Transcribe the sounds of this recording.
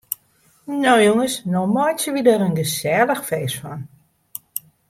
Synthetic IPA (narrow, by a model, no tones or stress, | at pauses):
noːjoŋəsnɔmɔjt͡ʃəʋidəɾənɡəsɛːləxfeːsfɔn